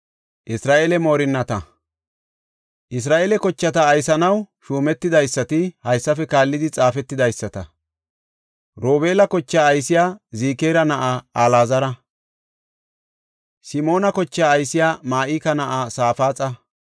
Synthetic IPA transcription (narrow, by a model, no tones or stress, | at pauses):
ʔɪsɾaːʔeːlɛmo̞ːɾɪnːɐt̪ɐ | ʔɪs̬ɾaːʔeːlɛkɔt͡ʃːɐt̪ɐːjsɐnɐwʃuːmɛt̪ːɪd̪ɐjsːɐt̪ɪhɐjsːɐfɛkaːlːɪd̪ɪt͡sʼaːfɛt̪ːɪd̪ɐjsːɐt̪ɐ | ɾoːbe̞ːlɐkɔt͡ʃːaːjsɪjaːziːkeːɾɐnɐʔaaːlaːzɐɾɐ | sɪmo̞ːnɐkɔt͡ʃːaːɐjsɪjaːmaːʔiːkɐnɐʔasaːfaːt͡sʼɐ